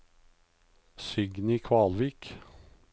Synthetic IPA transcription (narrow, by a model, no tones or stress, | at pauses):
sʏɡnɪkʰʋɑːlʋiːk